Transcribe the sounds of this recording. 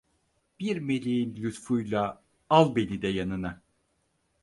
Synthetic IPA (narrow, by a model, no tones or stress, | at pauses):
b̥iɾme̞lʲejinlʲyt̪fujlˠa | alˠbe̞lʲid̪ɛjanɯna